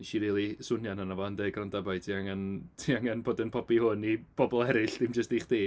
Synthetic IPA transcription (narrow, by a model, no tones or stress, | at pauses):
ʃiɾiːlˠisʊnjananavɔəndeːɡrandabajtʰiaŋantʰiaŋanboːdənpʰɔbihʊnib̥ɔbɔlˠɛɾɪɬd̥ɪmd͡ʒəstiχd̥iː